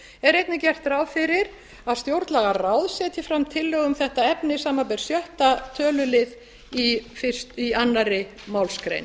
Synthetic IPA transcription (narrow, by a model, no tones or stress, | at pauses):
ɛɾejt̪nɪcɛr̥t̪raːwfɪɾɪɾ | aðst̪jowɾt̪laɣaraːwðsɛːt̪ʰjɪfɾamt̪ʰɪlːœːɣʏmθɛht̪aɛpnɪsaːmap̬ɛɾ̥sjœht̪at̪ʰœːlʏlɪð | ifɪ̥st̪ianːaɾɪmaːwlskɾḛjn